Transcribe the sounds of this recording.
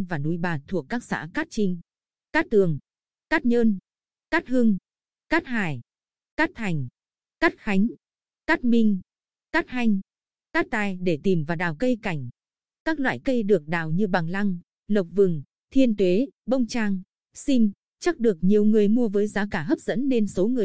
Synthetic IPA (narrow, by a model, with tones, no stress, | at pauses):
vaː˨˩nu˨˦jɓaː˨˩t̪ʰu˨˩əkːaː˦˥k̚sa̰ː˧˥kaː˦˥t̚t͡ɕi˧ŋ̟ | kaː˦˥t̚t̪ɨ˨˩əŋ | kaː˦˥t̚ɲəː˧n | kaː˦˥t̚hɨ˧ŋ | kaː˦˥t̚haː˧˩j | kaː˦˥t̚t̪ʰa˨˩jŋ̟ | ka˦˥t̚ha˨˦jŋ̟ | kaː˦˥t̚mï˧ŋ̟ | kaː˦˥t̚ha˧jŋ̟ | kaː˦˥t̚t̪aː˨˩jɗe˧˩t̪i˨˩mvaː˨˩ɗaː˨˩wkə˧jka˧˩jŋ̟ | kaː˦˥k̚lwa̰ː˧˨jkə˧jɗɨ˨˩ək̚ɗaː˨˩wɲɨ˧ɓaː˨˩ŋla˧ŋ | lə˨˩k͡p̚vɨ˨˩ŋ | t̪ʰi˧ənt̪we˨˦ɓə˧wŋ͡mt͡ɕaː˧ŋ | sï˧ŋ | t͡ɕa˦˥k̚ɗɨ˨˩ək̚ɲi˨˩əwŋɨ˨˩əjmu˧əvəː˨˦jzaː˨˦kaː˧˩ɦə˦˥p̚z̥ə̰˧˥nːe˧nso˨˦ŋɨ˨˩ə